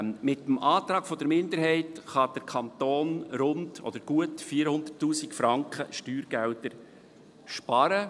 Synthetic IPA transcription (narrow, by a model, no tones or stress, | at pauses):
mɪt̪ːəmʔɑːt̪ɾɑːɡfɔd̪əɾmɪnd̪əɾɦɛɪtχɑd̥̪əɾkʰɑnt̪oːnɾʊndɔ̰d̥̪əɾɡ̥uətfiːɾhʊnd̪ərtːuːsikfɾɑŋkχə̰ʃtyːɾɡ̥æltəɾ | ʃpɑɾə